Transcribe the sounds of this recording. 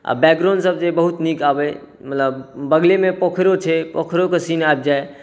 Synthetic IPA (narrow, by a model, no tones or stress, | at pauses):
a̰bɛk̚ɡɾaʊnsəb̚d͡ʒebəɦut̪nikabɛ | mət̪ləbːəɡlemẽpokʰɾot͡ʃʰepokʰɾokesinaeb̚d͡ʒae